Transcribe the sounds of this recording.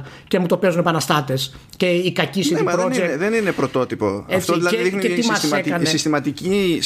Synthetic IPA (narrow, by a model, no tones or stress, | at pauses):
cemut̪o̞pe̞zunepɐnɐst̪ɐt̪e̞s | ce̞ikɐcisineimɐɾozekðeninepɾot̪o̞t̪ipo̞̰eft̪oðilɐðeixniet̪imɐsekɐnessist̪imɐt̪ici